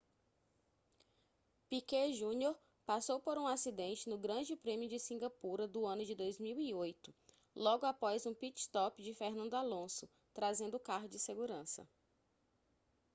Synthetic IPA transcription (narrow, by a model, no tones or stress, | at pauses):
pikeʒũnjoɾ | pasowpoɾũasid̪ẽnt͡ʃɪnʊɡɾɐ̃d͡ʒɪpɾẽmijʊd͡ʒɪsĩɡapuɾɐd̪ʊɐ̃nʊd͡ʒɪd̪ojzmiwiojt̪ʊ̥ | lɔɡʊapɔjzũpit͡ʃɪ̥st̪ɔpɪd͡ʒɪfehnɐ̃nd̪ʊalõsʊ | t̪ɾazẽnd̪ʊkaɦʊd͡ʒɪseɡuɾɐ̃sɐ̰